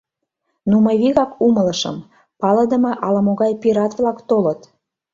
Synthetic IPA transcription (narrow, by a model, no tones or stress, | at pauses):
numɤjβiɣɑkumə̆lə̆ʃə̰m | pɑlə̆d̪ə̆mɤ̆ʔɑləmoɣɑjpiɾɑt̪βlɑkt̪olət̪